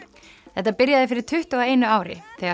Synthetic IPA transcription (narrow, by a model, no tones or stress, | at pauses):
θɛht̪ːapɪɾjaðɪfɪɾɪɾ̥t̪ʰʏht̪ɔaejnʏaːwɾɪ̰θɛːa